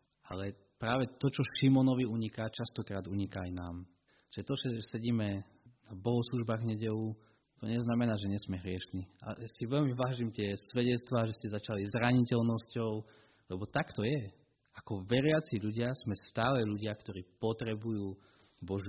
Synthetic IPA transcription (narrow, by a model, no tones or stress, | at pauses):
alɛ | pɾaːʋɛt̪ɔt͡ʃɔʃimɔnɔʋiuɲikaːt͡ʃast̪ɔkɾaːd̪uɲikaːjnaːm | ʒ̥ɛt̪ɔʒɛsɛɟiːmɛ | nabɔɦɔsluʒbaːɣɲɛɟɛʋu | t̪ɔɲɛznamɛnaːʒɛɲɛsmɛɦɾɪɛʃniːa̰siʋɛʎmiʋaːʒimt̪ɪɛsʋɛɟɛt͡st̪ʋaːʒɛscɛzat͡ʃalizɾaɲicɛlnɔscɔʊ | lɛbɔt̪akt̪ɔjɛ | akɔʋɛɾɪat͡siʎuɟɪazmɛst̪aːlɛʎuɟɪakt̪ɔɾiːpɔt̪ɾɛbujuː | bɔʒ